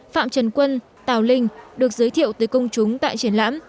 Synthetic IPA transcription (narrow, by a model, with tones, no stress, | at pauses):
fa̰ː˧˨mt͡ɕə˨˧˩nkwə˧n | t̪aː˨˩wlï˧ŋ̟ɗɨ˨˩ək̚zəː˨˦jt̪ʰḭ˧˨əwt̪əː˨˦jkə˧wŋ͡mt͡ɕʊ˨˦ŋ͡mt̪a̰ː˧˨jt͡ɕi˧˩ənla̰ː˧˥m